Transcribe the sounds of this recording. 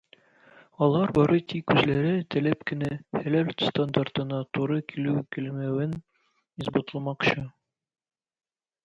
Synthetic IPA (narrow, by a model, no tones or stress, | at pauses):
ɒlˠɑɾbɒɾɤt̪ikːʉzlæɾɘt̪æ̆læpkɘ̆næhælælʲt̪st̪and̪art̪ɤ̆nɑt̪uɾɤkʰilʉkɘ̆lmæwɘn | izbot̪ɤ̆lˠmɑqɕɤ